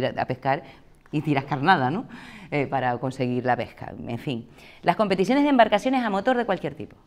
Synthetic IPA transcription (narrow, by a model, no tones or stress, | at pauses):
ɾa̰pehkaɾ | it̪iɾahkaɾnað̞anoepaɾako̞nse̞ɣiɾlape̞hka̰ḛɱfiŋ | lʔahko̞mpe̞t̪is̬jo̞ne̞ɦðembaɾkasjo̞ne̞samo̞t̪o̞ɾðekwalkje̞ɾt̪ipo̞̥